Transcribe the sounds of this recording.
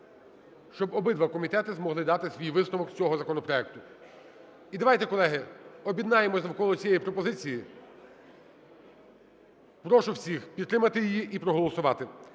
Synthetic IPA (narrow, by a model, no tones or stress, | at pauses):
ʃt͡ʃɔbɔbɪd̪ʋɐkɔmʲit̪ɛt̪ɪzmɔɦlˠɪd̪ɑt̪ɪsʲʋʲijʋɪsnɔʋɔkʲt͡sʲɔɦɔzɐkɔnɔpɾɔɛk̚t̪ʊ | id̪ɐʋɑjt̪ɛkɔlˠɛɦɪɔbʲid̪nɑjemɔsʲnɐwkɔlˠɔt͡sʲijɛjipɾɔpɔzɪt͡sʲiji | pɾɔʃʊwsʲixpʲid̪ːɾɪmɐt̪ɪjɪjiʔipɾɔɦɔlˠɔsʊʋɑt̪ɪ